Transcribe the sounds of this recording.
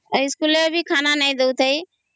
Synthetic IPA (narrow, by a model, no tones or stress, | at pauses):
ɪskuːlebʱikʰaːnanɐĩd̪əut̪ʰəi